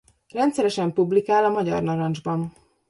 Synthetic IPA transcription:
rɛnt̪sɛɾɛʃɛmpublikaːlɒmɒɟɒ̰rnɒɾɒnd͡ʒbɒn

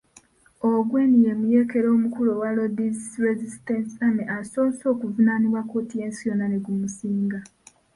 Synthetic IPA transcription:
oɡweːnijemuje̞ːke̞ɾo̞ːmukulowalodizɾezistensameʔasoːso̞ːkuvunaniβwakoːtije̞ːnsijonaneɡumusiːŋɡa

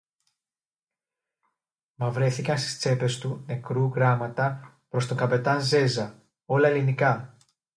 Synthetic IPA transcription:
mɐvɾe̞θikɐnst̪i̥st͡se̞pe̞st̪une̞kɾuɣɾɐmɐt̪ɐ | pɾo̞st̪o̞kɐpe̞t̪ɐnze̞zɐ | o̞lɐelinikɐ

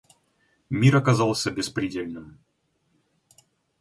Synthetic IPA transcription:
mʲiɾɐkɐzɑlˠsʲəbʲɪspɾʲɪdʲelʲnɨm

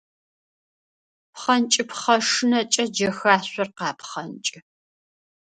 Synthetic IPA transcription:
pχɐnt͡ʃʼɪpχɐʂɨnɐt͡ʃʼɐd͡ʒɐxaːɕʷɔrqɑːpχɐnt͡ʃʼɪ

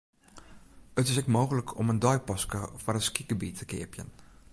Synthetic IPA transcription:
ətɪsɛkmoːɣələkʰɔ̰məndœjpɔskəvɔrəskiɡɡəbitʰəkɪ̰əpjə̰n

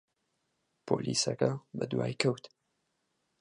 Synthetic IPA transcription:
pʰoːlʔiːsɐkɐbɐd̪waːjkʰɐwt̪

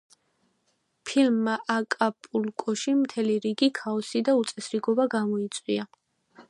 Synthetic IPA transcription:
pʰilmːaʔakʼapʼulkʼɔʃimt̪ʰɛliɾiɡikʰaɔsid̪aut̪sʼɛsɾiɡɔbaɡamɔit̪sʼwia

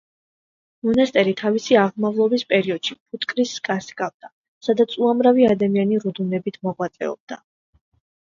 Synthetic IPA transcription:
mɔnast̪ʼɛɾit̪ʰavisiaʁmavlˠɔbispʼɛɾiɔd̪̥ʃipʰut̪ʰʼkʼɾiskʼasɡavd̪̥a | sad̪at̪sʰuamɾaviad̪amianiɾud̪unɛbit̪ʰmɔʁwat̪sʼɛ̰ɔ̰b̥̚d̪a

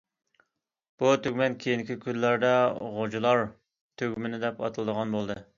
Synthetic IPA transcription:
b̥ut̪ʰyɡʲmɛnkʲʰejinkʲikʲʰyzlæɾd̪ɛʁod͡ʒulˠɑɾ | t̪ʰøɡʲmɪnɪd̪ɛpɑ̰t̪ʰɨlˠd̪əʁɑnbolˠd̪ɨ

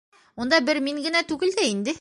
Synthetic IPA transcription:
und̪ɑbɘɾmiŋɡɘ̆næt̪ʉɡɘ̆ld̪æind̪ɘ

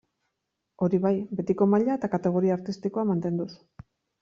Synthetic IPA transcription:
o̞ɾiβajbe̞t̪iko̞maʎaet̪akat̪e̞ɣ̞o̞ɾiaaɾt̪ist̪iko̞amant̪e̞nd̪us

